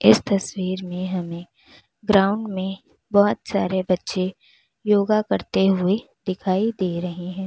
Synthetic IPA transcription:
ɪst̪ɐswiːɾmẽɦɐmẽ | ɡɾaːʊ̃ɳɖmẽ | bɔːt̪sa̰ːɾebɐtːʃe | joːɡakɐɾt̪eɦʊe | d̪ɪkʰaːid̪eːɾɐɦiɦɛ̃ː

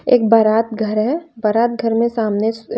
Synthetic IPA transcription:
ḛːkbɐɾaːt̪̚ɡʱɐɾɦɛbɐɾaːt̪̚ɡʱɐɾmẽsaːmne

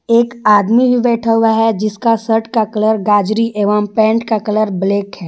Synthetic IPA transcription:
eːkaːd̪mibʱibɛːʈʰaɦʊaɦɛd͡ʒɪskasəʈkakɐləɾɡaːd͡ʒɾiʔeːʋəmpɛ̃ːɳʈkakɐləɾbleːkɦɛː

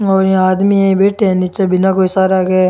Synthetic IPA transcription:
ɔːɾjãaːd̪miãĩbeːʈẽnit͡ʃebɪnakoisaːɾaɡe

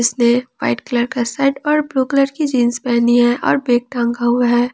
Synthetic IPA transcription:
ɪsneʋa̰ɪʈkələɾkasaɪʈɔːɾbluːkələɾkid͡ʒiːnspɛɦniɦɛ̃ʔɔ̰ːɾbeːk̚ʈãŋɡaɦʊɦɛː

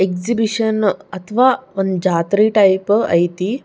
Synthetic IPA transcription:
ekzibiɕənɐt̪ʰʋaənd͡ʒat̪ɾiʈajpɐ̰jt̪i

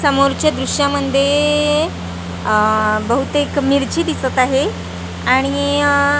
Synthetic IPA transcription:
səmoɾt͡ɕjad̪ɾuɕjaməd̪ʱje | bəɦut̪ekmiɾt͡ɕiːd̪isət̪aɦe | aɽ̃i

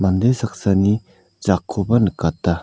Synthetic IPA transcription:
mand̪esak̚sani | d͡ʒakʰːobɐnɯkat̪̚ːa

